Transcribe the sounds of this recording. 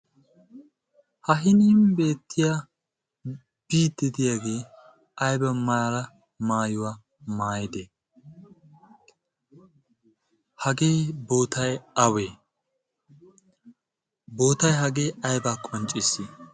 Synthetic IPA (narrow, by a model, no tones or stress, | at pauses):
hɐɦɪniːmbe̞ːt̪ʰːɪja | b̥iːd̪ɪd̪ɪjaːɡeː | ɐjbɐmɐɾɐ | maːjʊwaː | maːjɪd̪eː | hɐɡe̞ːbo̞ːt̪ɐjɐweː | bo̞ːt̪ɐjɦɐɡe̞ːɐjbaːkʼɔnt͡ʃʼɪsːɪ